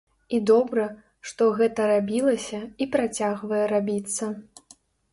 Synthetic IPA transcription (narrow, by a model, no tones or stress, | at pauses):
id̪ɔbɾɐ | ʂt̪ɔɣɛt̪ɐɾabʲilˠɐsʲɐipɾat͡sʲaɣvɐjɛɾabʲit̪sːɐ